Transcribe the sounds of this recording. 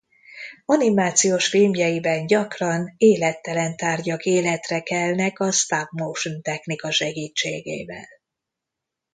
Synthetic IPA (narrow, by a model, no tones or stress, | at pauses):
ɒnimaːt̪sijoːʃfilmjɛjibɛnɟɒkrɒneːlɛt̪ːɛlɛnt̪aːrɟɒkeːlɛt̪rɛkɛlnɛkɒst̪apmowʃnt̪ɛxnikɒʃɛɡiːt͡ʃːeːɡḛːvɛ̰l